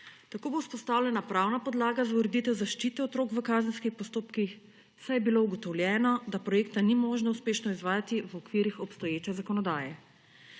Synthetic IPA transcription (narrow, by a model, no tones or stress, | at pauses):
t̪akoːbouspɔst̪aːwlʲjɛnapɾaːwnapɔd̪laːɡazauɾɛd̪it̪ɛwzaʃt͡ʃiːt̪ɛɔt̪ɾoːkʋəkaːzənskixpɔst̪oːpkix | sajɛbilouɡɔt̪ɔwlʲjɛːnɔd̪apɾɔjeːkt̪animoʒnauspeːʃnɔizʋaːjat̪iʋɔkʋiːɾixɔpst̪ɔjeːt͡ʃɛzakɔnɔd̪aːjɛ